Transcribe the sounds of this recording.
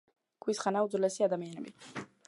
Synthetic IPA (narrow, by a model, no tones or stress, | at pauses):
kʰwisχanaud̪zlɛsiad̪amianɛbi